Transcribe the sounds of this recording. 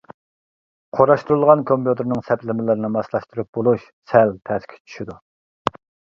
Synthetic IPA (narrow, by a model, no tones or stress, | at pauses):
qʰoɾɑʃt̪uɾulˠʁɑnkʰomput̪ʰɨɾnɨŋsɛpʰlɪmɪlɪɾnɪmɑslˠɑʃt̪ɨɾɨp̚bolˠuʃ | sɛlt̪ʰæskʲʰɛ̥t͡ʃʰy̥ʃid̪u